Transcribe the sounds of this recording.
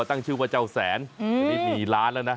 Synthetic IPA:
t̪a˥˧˩ŋt͡ɕʰɯː˥˩waː˧˩t͡ɕa˧˩wsɛ̰ː˩˦nː˧iː˧˩kiː˨˩laː˦˥nlaː˧wna˦˥

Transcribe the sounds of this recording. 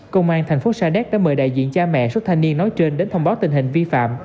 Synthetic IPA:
kə˧wŋ͡mʔaː˧nt̪ʰa˨˩jŋ̟fo˨˦saː˧ɗɛ˦˥k̚ɗa̰ː˧˥məː˨˩jɗa̰ː˧˨jzḭ˧˨nt͡ɕaː˧mɛ̰˧˨swt̚t̪ʰa˧ŋ̟ni˧ənːɔ˨˦jt͡ɕe˧nɗe˨˦nt̪ʰə˧wŋ͡mɓaː˨˦wt̪ï˨˩ŋ̟ɦï˨˩ŋ̟vi˧fa̰ː˧˨m

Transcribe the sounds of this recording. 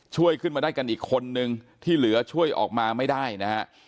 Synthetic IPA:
t͡ɕʰu˥˩əjkʰɯ˥˩nmaː˧daː˥˩jka˧nʔiː˨˩kʰːo˧nːɯ˧ŋt̪ʰiː˥˩lɯ˩˦ɐt͡ɕʰu˥˩əjʔɔ̰ː˨˩k̚maː˧ma˥˩jdaː˥˩jna˦˥a˦˥ʔ

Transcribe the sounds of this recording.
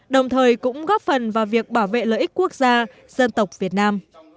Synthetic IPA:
ɗə˨˩wŋ͡mt̪ʰəː˨˩jkʊ̰˧˥ŋ͡mɣɔ˦˥p̚fə˨˩nvaː˨˩wvi˨˩ək̚ɓaː˧˩wvḛ˧˨ləː˨ʔi˦˥k̟̚kːu˦˥ək̚zaː˧ | z̥ə˧nt̪ə˨˩wk͡p̚vi˨˩ət̚naː˧m

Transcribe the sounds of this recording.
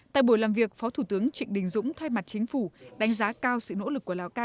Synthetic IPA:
t̪a̰ː˧˨jɓo˧˩jlaː˨˩mvi˨˩ək̚fɔ˨˦t̪ʰu˧˩t̪ɨ˨˦əŋt͡ɕḭ˧˨ŋɗï˨˩ŋ̟zʊ̰˧˥ŋ͡mt̪ʰa˧jma˨˩t̚t͡ɕï˨˦ŋ̟fu˧˩ɗa˨˦ŋ̟zaː˨˦kaː˧wsɨ̰˧˨no̰˧˥lɨ˨˩kːu˧˩əlaː˨˩wkaː˧˩

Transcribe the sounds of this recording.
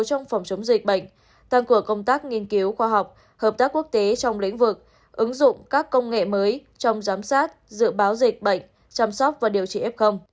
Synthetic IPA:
t͡ɕɔ˧wŋ͡mfɔ˨˩wŋ͡mt͡ɕə˨˦wŋ͡mzï˨˩k̚ɓə̰˧˨jŋ̟ | t̪aː˧ŋkɨ˧˩əkə˧wŋ͡mt̪aː˦˥k̚ŋi˧ənki˨˦wxwaː˧ɦɔ˨˩wk͡p̚ | həː˨˩p̚t̪aː˦˥kːu˦˥ək̚t̪e˨˦t͡ɕɔ˧wŋ͡mlḭ˧˥ŋ̟vɨ˨˩k̚ | ʔɨ˨˦ŋzʊ̰˧˨ŋ͡mkaː˦˥kːə˧wŋ͡mŋḛ˧˨məː˨˦jt͡ɕɔ˧wŋ͡mzaː˨˦msaː˦˥t̚zɨ̰˧˨əɓaː˨˦wzï˨˩k̟̚ɓə̰˧˨ŋ̟ | t͡ɕa˧msɔ˦˥k͡p̚vaː˨˩ɗi˨˩əwt͡ɕḭ˧˨ʔɛ˦˥p̚xə˧wŋ͡m

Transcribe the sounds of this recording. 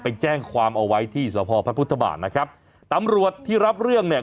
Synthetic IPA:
pa˧jt͡ɕɛː˥˩ŋkʰwaː˧mʔa˧wa˦˥jt̪ʰiː˥˩sɔː˩˦pʰɔː˧pʰɾa˦˥pʰu˦˥t̪ʰːa˧ba̰ː˨˩t̪̚na˦˥kʰɾa˦˥p̚ | t̪a˧mɾu˨˩ət̪ʰːiː˥˩ɾa˦˥p̚ɾɯ˥˩əŋni˥˩ə

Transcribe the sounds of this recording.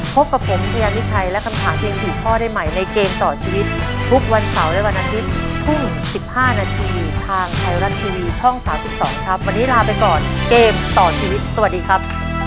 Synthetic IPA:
pʰo˦˥p̚ka˨˩pʰːo˩˦mpʰa˧jaː˧nwi˦˥t͡ɕʰa˧jlɛ˦˥kʰa˧mt̪ʰaː˩˦ŋt̪ʰiː˧˦sʰiː˨˩kʰɔː˥˩da˥˩jma˨˩jna˧jkeː˧mt̪ɔː˨˩t͡ɕʰiː˧wi˦˥t̪̚t̪ʰu˦˥k̚wa˧nsa˩˦wlɛ˦˥wa˧nʔaː˧t̪ʰi˦˥t̪̚t̪ʰːu˥˩ŋ | si˨˩p̚haː˥˩naː˧t̪ʰiː˧t̪ʰaː˧ŋt̪ʰa˨˩jɾa˧nt̪ʰiː˧wiː˧t͡ɕʰɔ˥˩ŋsaː˩˦msi˨˩p̚sɔ̰ː˩˦ŋkʰa˦˥p̚wa˧nːiː˦˥laː˧pa˧jkɔː˨˩nkeː˧mt̪ɔː˨˩t͡ɕʰiː˧wi˦˥t̪̚sa˧wa˨˩t̚diː˧kʰa˦˥p̚

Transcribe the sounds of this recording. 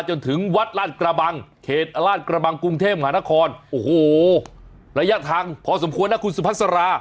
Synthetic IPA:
t͡ɕo˧nt̪ʰɯ˩˦ŋwa˦˥t̪̚laː˥˩t̪̚kɾa˧ba˧ŋkʰeː˨˩t̪̚laː˥˩t̪̚kɾa˧ba˧ŋku˧ŋt̪ʰeː˥˩p̚ma˧ɦaː˩˦na˥kʰɔː˧nʔoː˨˩hoː˨˩ | ɾa˧ja˦˥ʔt̪ʰaː˧ŋpʰɔː˨˧s̬o˩˦mkʰu˧ənːa˦˥kʰu˧nsu˧pʰa˦˥t̪̚sa˧ɾaː˧

